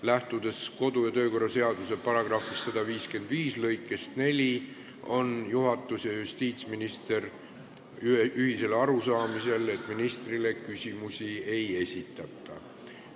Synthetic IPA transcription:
læht̪ud̪̥e̞sko̞d̪̥ujɑt̪ø̞ːko̞rːɑse̞ɑd̪̥use̞pɑɾɑɡ̥rɑfist̪ːɑd̪̥ɑviːske̞nd̪̥viːslɤjkːˑe̞st̪ne̞lʲi | o̞njuɦɑt̪ːˑusjɑjust̪iːt̪sʲminist̪e̞r | yhise̞lɑɾusɑːmise̞le̞t̪ːˑminist̪rile̞kysʲimusʲie̞je̞sʲit̪ːˑɑt̪ːˑɑ̰

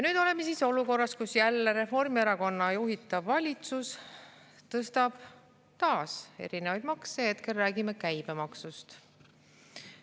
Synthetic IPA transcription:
jɑnyːd̪̥o̞le̞me̞siːso̞luko̞rːɑskusjælːeɾe̞fo̞rmieɾɑko̞nːɑjuɦit̪ːˑɑvːɑlʲit̪sus | t̪ɤst̪ɑb̥ | t̪ɑːse̞̰ɾinevɑjd̪̥mɑksehet̪ke̞lːæːɡime̞kæjb̥e̞mɑksust̪

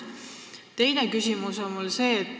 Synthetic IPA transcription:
t̪e̞jne̞kysʲimuso̞nmulse̞ːt̪ː

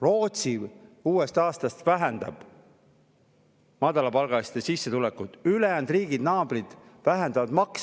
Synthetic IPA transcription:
ro̞ːt̪siuːe̞st̪ɑːst̪ɑst̪væɦænd̪ɑ̰b̥ | mɑd̪̥ɑlɑpɑlɡ̥ɑlist̪esisːe̞t̪ulekːut̪ylejænd̪riːɡid̪nɑːb̥rid̪̥væɦænd̪ɑvɑd̪mɑks

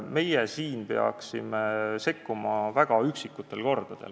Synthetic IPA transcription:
me̞jesiːnpe̞ɑ̰ksḭmese̞kːumɑvæɡ̥ɑyksikːut̪ːˑe̞lko̞rd̪̥ɑd̪̥e̞̰l

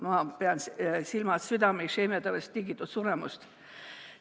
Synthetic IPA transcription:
mɑpeɑnssilmɑsyd̪ɑmesemet̪ɑʋest̪t̪iɡit̪ːut̪suremṵst̪

